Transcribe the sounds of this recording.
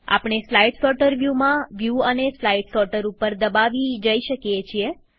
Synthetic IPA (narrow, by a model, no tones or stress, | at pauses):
a̰pɳ̃eslaiɖsɔʈəɾʋjumãʋjuəneslaiɖsɔʈəɾupəɾd̪əbaʋid͡ʒəiʃəkijet͡ʃʰie